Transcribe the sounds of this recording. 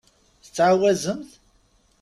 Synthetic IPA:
θə̥t͡sːʕawæzəmθ

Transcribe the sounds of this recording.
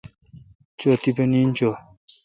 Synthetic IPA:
t͡ʃot̪ipenint͡ʃo

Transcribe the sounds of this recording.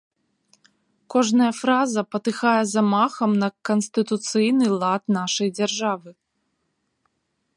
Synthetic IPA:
kɔʐnɐjɐfɾazɐpɐt̪ɨxajɛzɐmaxɐmnɐkɐnsʲt̪ɨt̪ut̪sɨjnɨlˠat̪naʂɐjd͡zʲarʐavɨ

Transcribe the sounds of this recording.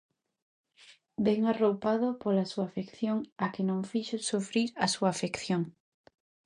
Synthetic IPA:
bɛŋarowpað̞opolasuaːfekθjoŋakenõŋfiʃosufɾiɾasuaːfekθjoŋ

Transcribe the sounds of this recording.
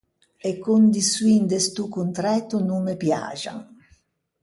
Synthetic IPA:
ekːund̪isuind̪est̪ukːunt̪ɾɛt̪unuŋmepja̰ːd͡ʒa̰ŋ

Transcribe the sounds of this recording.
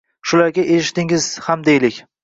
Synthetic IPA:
ʃʊlaɾɡʲaʔeʃɪt̪ɪŋɪz̥hamd̪ejlɪkʲ

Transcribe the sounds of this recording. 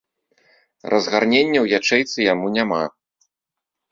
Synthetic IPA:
rʔɐzɣarnʲenʲːɐwjat͡ʂɛjt̪sɨjamunʲama

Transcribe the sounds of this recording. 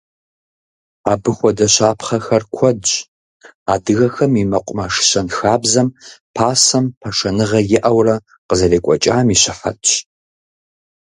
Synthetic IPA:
aːbɨxʷɔdɐɕaːpʰχɐxɐrkʷʰɔdt͡ʃʼ | aːdɨɣɐxɐmimɐqʷʼʊmɐʂɕɐnxaːbzɐmpʰaːsɐmpʰɐʂɐnɨʁɐjɪʔɐwrɐ | qəzɐreːkʷʼɔt͡ʃʼaːmiːɕɪħa̰tʼ

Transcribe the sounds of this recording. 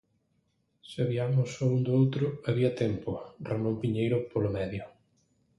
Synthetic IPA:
sɪaβiamʊsɔund̪ʊowt̪ɾʊɐβiɐt̪ɛmpʊramõmpiɲejɾʊpolʊmɛðjʊ

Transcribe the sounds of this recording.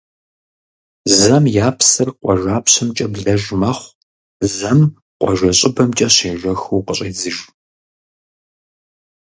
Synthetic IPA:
zɐmjaːpʰsɨrqʷʼɔʒʷaːpʰɕɐmt͡ʃʼɐbɮɐʒmɐχʷ | zɐm | qʷɔ̰ʒʷɐɕʼɪbɐmt͡ʃʼɐɕeːʒɐxuːqəɕʼeːzɨʒ

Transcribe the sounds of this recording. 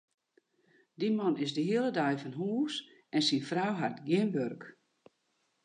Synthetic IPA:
dimɔnɪsdəɦiəlˠədajfɑnɦuːs | ɛnsinfrawɦatɡjɪmbørk

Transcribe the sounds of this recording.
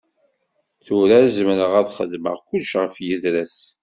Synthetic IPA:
θʊɾæzmɾəʁæðχəðmə̰ʁkʷʊlʃʁəfjəðɾæs

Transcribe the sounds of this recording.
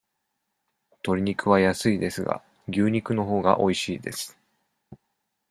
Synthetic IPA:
t̪o̞ɾʲiɲ̟ikɯ̟βajasɨid̪e̞sɨɡa̰ | ɡʲɨːɲ̟ikɯ̟no̞ɦo̞ːɡa̰ʔo̞iɕiːd̪e̞̰sɨ̥

